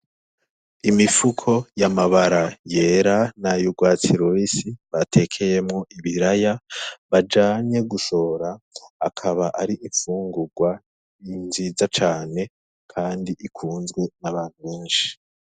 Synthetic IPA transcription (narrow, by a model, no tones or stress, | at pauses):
imifukʰo̞jamaβaɾaje̞ːɾanajuɡwaːt͡siɾoisiβatʰe̞kʰe̞jemŋo̞ʔiβiɾajaβad͡ʒaːɲɲe̞ɡuso̞ɾaːkʰaβaʔaɾiʔiɱfuːŋɡuɡwa | inzizat͡ʃaːne̞ | kʰaːndiʔikʰuːnzɡwe̞naβaːn̥huβeːnʃi̥